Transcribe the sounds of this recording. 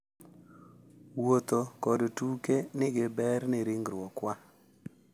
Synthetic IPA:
wot̪okɔdtukenɪɡɪbɛɾnɪɾɪŋɡɾwɔkwa

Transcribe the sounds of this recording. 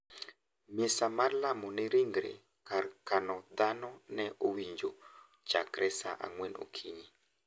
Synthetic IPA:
mɪsamarlamɔnɪɾiŋɡɾḛ | kaɾkanɔd̪anɔnɛʔowiɲd͡ʒo | t͡ʃa̰kɾʔɛsaʔa̰ŋwɛno̰kʰiɲi

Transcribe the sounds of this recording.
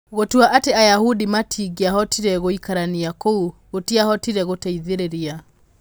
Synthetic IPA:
ɣotwaʔateajahudimatʰiɡiaɦɔtiɾɛɣoikaɾaniakouɣotiahɔtiɾɛɣotaiðeɾeɾia

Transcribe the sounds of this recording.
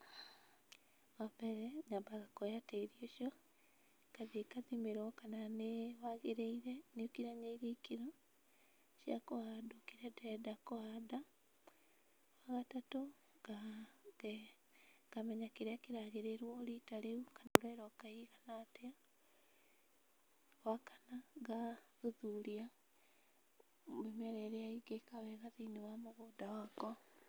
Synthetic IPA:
ɣapɛɾɛɲambaɣakɔjateiɾioʃjɔ | kaðekaðimeɾɔkananewaɣeɾeiɾɛneokiɾaɲeiɾeikiɾɔ | ʃja̰koadokeɾadɛɛdakoada | waɣatato | ɡa | kamɛɲakeɾeakeɾaɣeɾeɾwɔɾitaleukanlwɛɾɔkaiɣanatea | wakḁnaɡaðuðuɾia | βemɛɾɛɾeaiɡekawɛɣaðiinewamoɣoːdawakɔ

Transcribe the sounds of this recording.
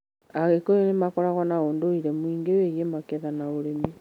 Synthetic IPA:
aɣekoenemakɔɾaɣɔnaoːndoiɾɛmwiːŋɡeweɣemakeðanaoɾemi

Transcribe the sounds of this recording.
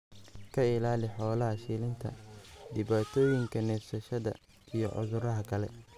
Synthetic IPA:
kʰɐɪlaːlɪħɔːlɐɦɐʃiːlɪnt̪ʰɐ̰d̪ɪβaːt̪ʰɔːjɪŋkʰɐnɛːfsɐʃɐðɐ | ijɞ̰ʕʊ̰ðʊɾɐɦɐkʰɐlɛ̰

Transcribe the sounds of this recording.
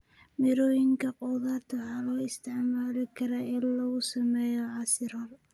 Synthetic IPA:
mɪɾɔːjɪŋkʰɐqɔwðaːrt̪ʰɐwħɑlɔːɪst̪ʰɪʕmaːlɪkʰɐɾaːɪnlɐɣʊsɐmɛːjɔʕɑsɪrhɔl

